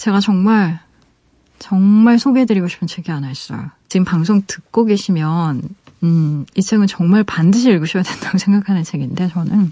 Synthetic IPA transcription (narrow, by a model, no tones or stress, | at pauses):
t͡ɕe̞ɡat͡ɕʌŋmaɭ | t͡ɕʌŋmaɭsʰoɡeedɯɾiɡoɕi̥pʰɯnt͡ɕʰeɡianas͈ʌ̰jot͡ɕiɡɯmpaŋs̬ʰoŋtɯk̚k͈oɡe̞ɕʰimjʌn | ɯit͡ɕʰeŋɯnt͡ɕʌŋmaɭpandɯɕ̬ʰiːɭɡuɕʰipʌjadwendaɡosʰe̞ŋɡakʰanɯnt͡ɕʰe̞ɡinde̞t͡ɕʌnɯn